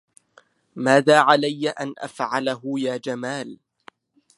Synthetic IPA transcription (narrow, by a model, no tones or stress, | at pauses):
maːðaːʕalajːaʔanʔa̰fʕalaɦʊjaːd͡ʒamaːl